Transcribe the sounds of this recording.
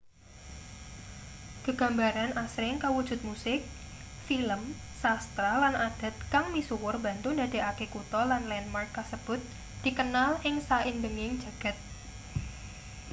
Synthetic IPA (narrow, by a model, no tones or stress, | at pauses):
kəɡ̥ä̤mbaɾanasɾɪŋkawud̥ʒ̥ʊ̤t̪̚musɪk̚ | filəm | sast̪ɾalanʔad̥a̤t̪̚kaŋmisuwʊrba̤nt̪ʊnd̪a̤d̥e̤ʔakekut̪ɔlanlɛnmarkːasəb̥ʊ̤t̪̚ | d̪̥i̤kənalʔɪŋsaɪnbəŋɪŋ̥d͡ʒ̥ä̤ɡ̥a̤t̪̚